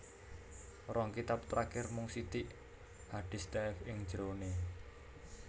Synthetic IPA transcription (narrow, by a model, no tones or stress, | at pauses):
rɔŋkit̪ap̚t̪ɾakɪrmʊŋsit̪iʔ | haɖ̥i̤st̪ɛɪfɪŋ̥d͡ʒɾone